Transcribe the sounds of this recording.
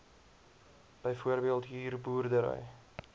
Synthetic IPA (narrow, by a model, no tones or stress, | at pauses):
b̥əjfuərbiəlˠtɦiːrbuːrdəɾə̰j